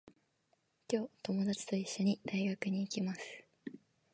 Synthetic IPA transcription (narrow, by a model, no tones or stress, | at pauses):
kʲo̞ːt̪o̞mo̞d̪at͡ɕi̥t̪o̞iɕːo̞ɲ̟id̪̥aiɡakɯ̟ɲ̟iːkʲimasɨ̥